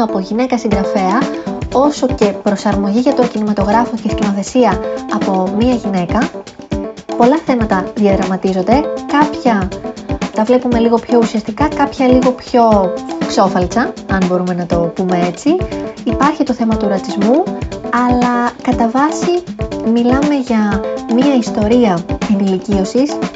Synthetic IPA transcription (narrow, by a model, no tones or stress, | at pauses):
ɐpo̞ʝine̞kɐsiŋɡɾɐfe̞ɐo̞so̞ce̞pɾo̞sɐɾmo̞ʝiʝɐt̪o̞cinimɐt̪o̞ɣɾɐfo̞cescino̞θe̞siɐːpo̞miɐʝine̞kɐ | po̞lɐθe̞mɐt̪ɐðiɐðɾɐmɐt̪izo̞nd̪e̞kɐpçɐ | t̪ɐvle̞pume̞liɣo̞pço̞usiɐst̪ikɐkɐpçɐliɣo̞pço̞kso̞fɐlt͡sɐɐnbo̞ɾume̞nɐt̪o̞pume̞e̞t͡siːpɐɾçit̪o̞θe̞mɐt̪uɾɐt͡sizmuɐlɐkɐt̪ɐvɐsimilɐme̞ʝɐmiɐist̪o̞ɾiɐenilicio̞sis